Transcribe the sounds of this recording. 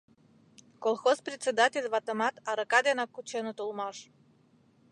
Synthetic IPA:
kolˠxosprʲet̪ʲt͡sʲːed̪atʲelʲβɑt̪ə̆mɑt̪ɑɾəkɑd̪enɑkːut͡ɕenət̪ulˠmɑʃ

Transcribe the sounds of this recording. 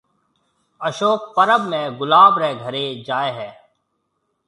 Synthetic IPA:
əʃoːk̚pəɾəbmẽːɡʊlaːbɾɛːɡʱəɾeːd͡ʒaːeːɦɛː

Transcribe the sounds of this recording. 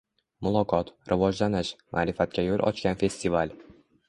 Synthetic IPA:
mʊlˠɒqʰɒt̪ɾʔɪvɒd͡ʒlanɪʃmʔa̰ːɾɪfat̪̚kʲajolˠʔɒ̰t͡ʃkʲanfe̞st̪ival

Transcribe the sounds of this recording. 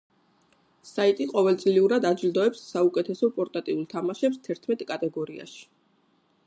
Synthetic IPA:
sait̪ʼiqʼɔvɛlt̪sʼliuɾad̪ad͡ʒild̪ɔɛpsːaukʼɛt̪ʰɛsɔpʼɔɾt̪ʼat̪ʼiulˠt̪ʰamaʃɛpst̪ʰɛɾt̪ʰmɛt̪ʼkʼat̪ʼɛɡɔɾia̰ʃi̥

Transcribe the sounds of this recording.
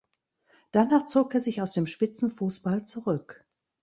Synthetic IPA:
d̥anaːχt͡soːkeːɐzɪçaʊsd̥eːmʃpɪt͡sn̩fuːsb̥alt͡suʁʏk

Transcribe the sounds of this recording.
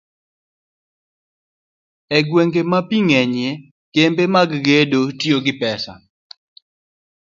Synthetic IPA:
ɛɡweŋɡemapiŋɛɲje | kembemaɡɡedotioɡɪpɛsa̰

